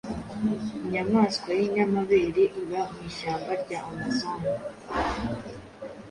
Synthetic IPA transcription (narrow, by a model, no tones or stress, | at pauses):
iɲamaːskwajiɲamaβe̞ːɾeʔiβaɦiʃaːmbaɾɟaːmasamo